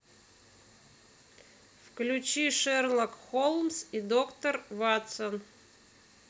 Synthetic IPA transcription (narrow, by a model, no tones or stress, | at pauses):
fklʲʉt͡ɕiʂɛrlˠəkxolˠmsid̪okt̪ərvat̪sən